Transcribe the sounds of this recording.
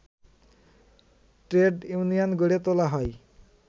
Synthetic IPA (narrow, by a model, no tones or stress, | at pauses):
ʈɾeɖjunijanɡoɽet̪olaɦɔj